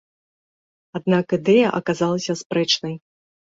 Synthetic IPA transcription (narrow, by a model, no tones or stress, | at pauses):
ad̪̚nakɨd̪ɛjɐʔɐ̰kazalˠɐsʲɐspɾɛt͡ʂnɐj